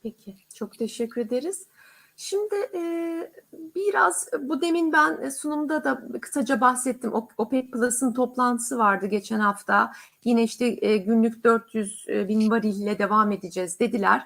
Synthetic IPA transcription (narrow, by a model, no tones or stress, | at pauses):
pʰecʰɪt͡ʃʰo̞kt̪ʰe̞ʃɛcʰːyɾe̞d̪eɾiz̥ | ʃimd̪ɪʔɛ | biɾaz̥bud̪e̞minbænsunumd̪ad̪akʰɯ̥sad͡ʒabaxsɛt̪ʰːimʔoo̞pɛc̚plˠasɯnt̪ʰo̞plˠant̪ʰɯ̥sɯvaɾd̪ɯɟe̞t͡ʃʰɛnhaft̪ʰajinɛiʃt̪ɛɟynlʲyc̚d̪ø̞ɾt̪ʰjyzbinvaɾillʲɛd̪e̞vaːme̞d̪id͡ʒɛzd̪e̞d̪ilʲæ̰ɾ̥